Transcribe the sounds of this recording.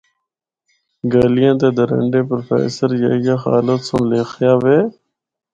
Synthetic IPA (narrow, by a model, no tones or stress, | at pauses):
ɡəːlɪjãːt̪eːd̪əɾə̰ɳɖeːpɾoːfḛːsəɾjə̰ɦɪjãːxa̰ːlət̪sõːleːxʰjaːʋeː